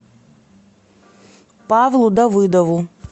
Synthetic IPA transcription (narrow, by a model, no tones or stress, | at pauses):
pavlˠud̪ɐvɨd̪ɐvu